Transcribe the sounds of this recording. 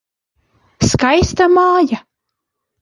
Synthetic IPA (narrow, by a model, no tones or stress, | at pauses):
skajst̪amaːja